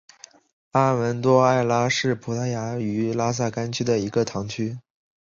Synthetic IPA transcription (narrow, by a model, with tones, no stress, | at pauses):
a˥wə˧˥nt̪wɔ˥a˥˩ɪla˥ʂɻ̩˥˩pʰu˧˥t̪ʰa˧˥ɪja˧˥y˧˥la˥s̬a˥˩ka˥nt͡ɕʰy˥d̪ə˨i˧˥ɡə˧t̪ʰɑ˧˥ŋt͡ɕʰy˥